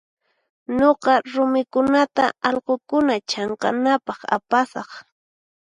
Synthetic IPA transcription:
ɲoqɑɾʊmɪkʊnat̪aɑʎqokʊnat͡ʃɑɴqɑ̰napɑχa̰pasɑχ

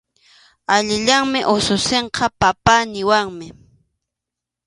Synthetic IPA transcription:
aʎɪʎaŋmɪʔosʊseɴqʰɑpapanɪwaŋmɪ

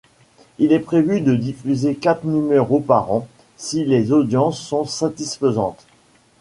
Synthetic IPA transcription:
ilɛpχevyd̪əd̪ifyzekat̪χnymɛʁopaʁɑ̃ | silezod̪jɑ̃sːɔ̃sat̪isfəzɑ̃t̪

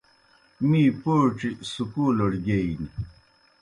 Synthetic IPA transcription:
miːpoːʈ͡ʂisukuːlɐɽɡeini

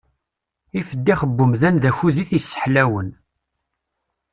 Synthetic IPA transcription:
ifəd̪ːiχəbːʊmðænðæçuðiθjsːə̥ħlæwən

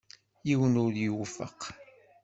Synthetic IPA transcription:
jiwənʊɾðjuwfə̰q

